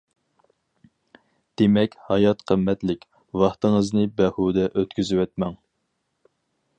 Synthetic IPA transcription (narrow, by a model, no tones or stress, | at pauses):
d̪̥emɛkʲhɑjɑt̪qʰəmːɛt̪lɪkʲ | wɑχt̪ɨŋəznɨbɛhud̪ɛʔøt̪kʲyzywɛt̪̚mɛŋ